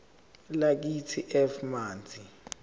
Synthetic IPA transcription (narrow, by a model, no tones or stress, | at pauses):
lak̬itʰiʔɛfmaːnd͡zʱi